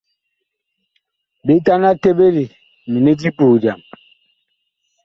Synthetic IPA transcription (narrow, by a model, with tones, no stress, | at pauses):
bi˨˦ta˦na˦te˦be˦ɾi˨ | mi˨ni˦d͡ʒi˦puː˨d͡ʒa̰˨m